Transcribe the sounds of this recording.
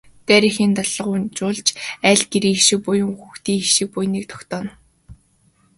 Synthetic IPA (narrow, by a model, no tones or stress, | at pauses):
t̪æɾiːxiːnt̪aɮə̆ʁʊnt͡ɕʊːɮt͡ɕæːɮɡeɾiːŋiʃɪ̆k̚pʊjʊ̆ŋxuxt̪iːŋiʃɪ̆k̚pujniːk̚t̪ʰɔ̥xt̪ɔːn